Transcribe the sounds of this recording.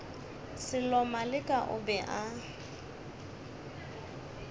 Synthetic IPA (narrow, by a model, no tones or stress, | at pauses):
sɪlɔmalɪkʼaʔʊ̰bɛʔa